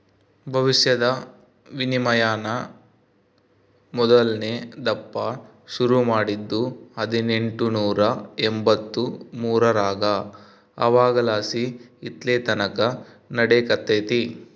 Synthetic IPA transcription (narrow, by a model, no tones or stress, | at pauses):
bʱɐʋiʃjɐd̪ɐ | ʋinimɐjaːnɐ | mɔd̪ɐlneːd̪ɐpːɐ | ʃuɾumaːɽid̪ːuɐd̪ine̞ɳʈunuːɾɐembɐt̪ːumuːɾɐɾaːɡɐ | ɐ̰ʋaːɡɐlaːsiːt̪leːt̪ɐnɐkɐ | nɐɽekɐt̪ːeːt̪i